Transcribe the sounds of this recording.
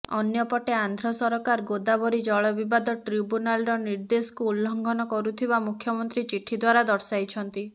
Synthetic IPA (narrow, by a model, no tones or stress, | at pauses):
ɔ̰njɔpɔʈeand̪ʱɾɔsɔɾɔkaɾɡod̪abɔɾid͡ʒɔɭɔbibad̪ɔʈɾibunalɾɔniɾd̪esɔ̥kuulːɔŋɡʱɔnɔkɔɾut̪ʰibamukʰjɔmɔnt̪ɾit͡ʃiʈʰːid̪waɾad̪ɔɾsajt͡ʃʰɔnt̪i